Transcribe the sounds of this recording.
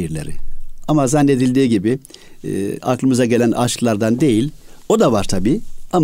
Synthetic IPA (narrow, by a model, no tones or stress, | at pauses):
iɾlʲeɾɪ̰amazanːe̞d̪ilʲd̪iːɟibi | a̰klˠɯmɯzaɟe̞lʲænʔa̰ʃklˠaɾd̪and̪e̞jilʲo̞d̪avaɾt̪ʰabiːam